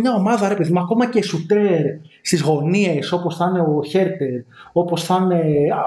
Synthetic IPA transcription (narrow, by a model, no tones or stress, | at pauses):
mɲɐo̞mɐðɐɾe̞pe̞ðimuɐko̞mɐce̞sut̪eɾst̪izɣo̞nie̞so̞po̞sθɐne̞oçe̞ɾt̪e̞ɾo̞po̞sθɐne̞